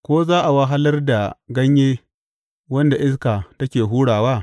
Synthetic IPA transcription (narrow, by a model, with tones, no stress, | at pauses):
kʷoː˦zaː˦ʔa˨wa˦ɦa˦lɐ˦rda˨ɡɐ˦ɲjeː˦ | wɐ˦nda˨ʔɪ˦s̬kaː˨tɐ˦kʲeː˨ɦuː˦ɽaː˨waː˦